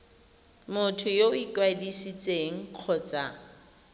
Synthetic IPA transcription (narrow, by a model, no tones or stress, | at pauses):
mʊtʰʊjoikwadisit͡sʼeŋ̩q͡χʰɔt͡sʼa